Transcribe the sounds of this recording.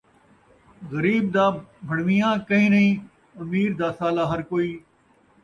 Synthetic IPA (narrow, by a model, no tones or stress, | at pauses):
ɣəɾiːb̚d̪aːbʱɐɽʋijãːkɐɦĩːnɐɦĩː | ɐmiːɾd̪aːsaːlaːɦɐɾkoːiː